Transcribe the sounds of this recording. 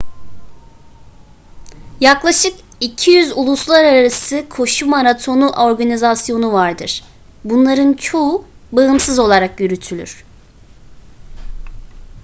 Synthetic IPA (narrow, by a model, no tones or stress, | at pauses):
jaklˠaʃɯk | icʰijyzulˠuslˠaɾaɾaɾasɯkʰo̞ʃumaɾat̪ʰo̞nuʔoɾɡanizasjo̞nuvaɾd̪ɯɾ̥ | bunlˠaɾɯnt͡ʃʰo̞ubaɯmsɯzo̞lˠaɾakjyɾyt̪ʰylʲy̰ɾ̝̥